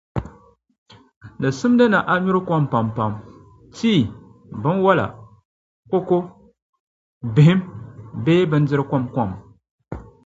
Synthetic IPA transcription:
nɨ˨sɨ˦m˦dɨ˦na˨ʔa˨ɲu˦ɾɨ˦kɔ˦mpa˨mpa˨m | tiː˦˨ | bɨ˦nwa˦la̰˨ | ko˦ko˦ | bɪ˨hɪ˦mbeː˦bɨ˦n˦dɪ˦ɾɨ˦kɔ˦mkɔ˦˨m

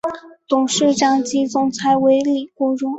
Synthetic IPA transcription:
t̪ʊ˨˩ŋʂɻ̩˥˩ʈ͡ʂɑ˥ŋt͡ɕi˥t͡sʊ˥ŋt͡sʰa˥ɪwe˧˥ɪli˨˩kwɔ˥ʈ͡ʂʊ˧˥ŋ

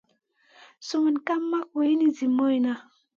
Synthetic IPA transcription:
su˦mu˨nka˦mːa˦kwe˨i˦ni˦zi˨mo˦jna˦

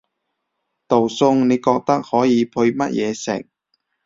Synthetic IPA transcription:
t̪o˨˩wsʊ˧ŋne˨˧jkɔː˧k̚t̪ɐ˥k̚hɔː˨˥jiː˨˧pʰɵ˧ɥmɐ˥t̚jʔɛː˨˧sɪ̰˨k̚

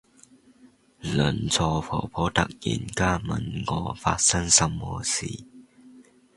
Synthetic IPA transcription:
lə˨˩nt͡sʰɔ˧˩fʰɔ̰ː˨˩pʰɔ˨˥t̪ɐ˨k̚jḭ˨˩nkaː˥˩mɐ˨˩nŋɔː˨˧fa̰ː˧t̚sɐ˥ŋsɐ˧mːɔː˧sḭː˨˩

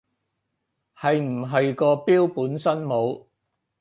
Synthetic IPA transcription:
hɐ˨jm̩˨˩ɦɐ˨jkɔː˧piː˥wpuː˨˥nsɐ˥nmo˨˧w

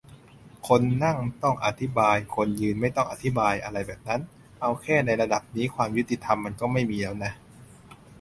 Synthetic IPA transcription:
kʰo˧nːa˥˩ŋt̪ɔ˥˩ŋʔa̰˨˧t̪ʰi˦˥baː˧jkʰo˧njɯː˧nma˥˩jt̪ɔ˥˩ŋʔa˨˩t̪ʰi˦˥baː˧jʔa˧ɾa˧jbɛː˨˩p̚na˦˥n | ʔa˧wkʰɛː˥˩na˧jɾa˧da˨˩p̚niː˦˥kʰwaː˧mju˦˥t̪i˧t̪ʰa˧mːa˧nkɔː˥˩ma˥˩jmiː˧lɛː˦˥wna˦˥

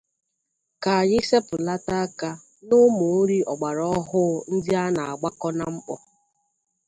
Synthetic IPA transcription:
ka˨ji˦se˦pʊ˨la˦ta˦ka˦ | nʊ˦mʊ˨˦ɾi˦ɔ˨ɡ͡ba˨ɾɔ˦ɦʊ˦n̩˦dɪ˦a˦na˨a˨ɡ͡ba˦kɔ˦na˦m̩˦k͡pɔ˨

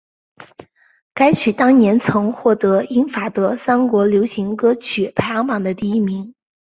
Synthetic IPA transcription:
ka˥ɪt͡ɕʰy˨˩t̪ɑ˥ŋnjɛ˧˥nt͡sʰɤ˧˥ŋxwɔ˥˩t̪ɤ˧˥i˥ŋfa˨˩t̪ɤ˧˥sa˥nkwɔ˧˥ljo˧˥ʊɕi˧˥ŋkɤ˥t͡ɕʰy˨˩pʰa˥˩jɑ˧˥ŋpɑ˨˩ŋd̪ə˦t̪i˥˩i˥mi˧˥ŋ

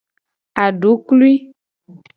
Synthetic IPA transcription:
a˨ɖu˨˦klu˦i˦

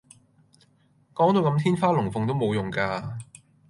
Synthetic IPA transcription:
kɔː˨˥ŋt̪o˧wkɐ˧˥mt̪ʰiː˥nfaː˥lʊ˨˩ŋfʊ˨ŋt̪o˥wmo˨˧wjʊ˨˩ŋkaː˧

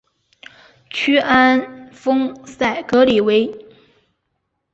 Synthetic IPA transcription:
t͡ɕʰy˥ʔa˥nfɤ˥ŋsa˥˩ɪkɤ˧˥li˨˩we˧˥ɪ

